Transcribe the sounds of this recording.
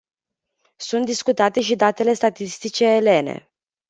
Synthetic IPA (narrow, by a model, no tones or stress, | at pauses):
sunt̪d̪iskut̪at̪e̞ʃid̪at̪e̞le̞st̪at̪ist̪it͡ʃe̞ːle̞ne̞̰